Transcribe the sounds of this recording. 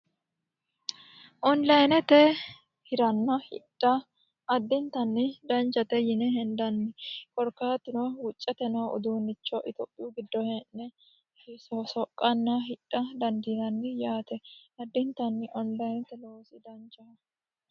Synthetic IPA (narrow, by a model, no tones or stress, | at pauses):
ʔɔnlɐjnɛt̪ɛ | hɪɾɐnːɐhɪ̰ᶑʼːɐ | ɐd̪ːɪnt̪ɐnːɪd̪ɐnt͡ʃɐt̪ɛjɪnɛɦɛnd̪ɐnːɪkɔɾkaːt̪ːɪnɔwʊt͡ʃʼːɐt̪ɛnɐʊ̰d̪uːnːɪt͡ʃːɔʔɪt̪oːpʼːɪjuɡɪd̪ːɔhɛnːɛ | sɔsɔkʼːɐnːɐɦɪᶑʼːɐd̪ɐnd̪iɾɐnːɪjaːt̪ɛɐd̪ːɪnt̪ɐnːɪʔɔnlɐjnt̪ɛloːsɪd̪ɐnt͡ʃɐ